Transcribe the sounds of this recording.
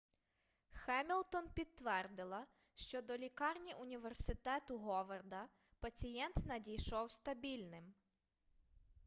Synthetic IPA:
xɛmʲilˠt̪ɔnpʲid̪̚ːʋɛrd̪ɪlˠɐ | ʃt͡ʃɔd̪ɔlʲikɑrnʲiʔʊnʲiʋersɪt̪ɛt̪ʊɦɔʋɐrd̪ɐ | pɐt͡sʲijɛnt̪nɐdʲijʃɔwst̪ɐbʲilʲnɪm

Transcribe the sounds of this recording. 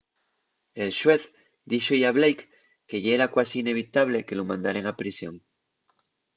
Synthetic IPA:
e̞lʃwe̞θ | d̪iʃojaβlejkː | e̞ʝaeɾakwasiːne̞β̞it̪aβle̞ke̞lomãnd̪aɾe̞ŋapɾisjo̞̰ŋ

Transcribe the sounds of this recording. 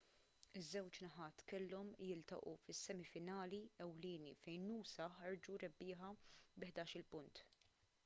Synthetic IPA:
ɪzːɛwt͡ʃnɐħɐːt̪kɛlːɔmjɪlt̪ɐ̰ʔufɪsːɛmɪfɪnɐːliɛwlɪːnifɛjnːuːsɐħɐɾd͡ʒuɾɛbːɪːħɐbɪħd̪ɐːʃɪlpʊnt̪

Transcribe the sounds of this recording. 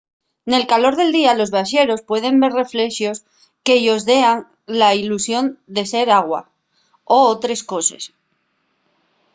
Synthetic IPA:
ne̞lkalo̞ɾð̞e̞ld̪ialo̞zβaʃe̞ɾo̞spwe̞ð̞e̞mbe̞ɾre̞fle̞ʃjo̞s | ke̞ʝo̞zðe̞aŋ | lailusjo̞nd̪e̞se̞ɾaɣ̞wa̰ | oot̪ɾe̞sko̞se̞̰s

